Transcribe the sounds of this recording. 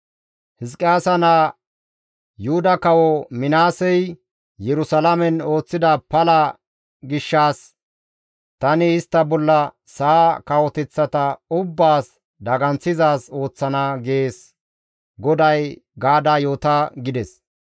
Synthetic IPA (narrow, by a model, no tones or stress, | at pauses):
hɪskʼːɪaːsɐna | jʊhʊd̪ɐkɐwɔmɪnaːsɛj | jɛɾʊsɐlɐmɛno̞ːt͡sːɪd̪ɐpɐlɐ | ɡɪʃːaːs | t̪ɐnɪɪst̪ːɐbɔlːɐ | sakɐwɔt̪ɛt͡sːɐt̪ɐʊbːaːs | d̪ɐɡɐnt͡sːɪzaːso̞ːt͡sːɐnaɡeːs | ɡɔd̪ɐjɡaːd̪aːjo̞ːt̪ɐɡɪd̪ɛs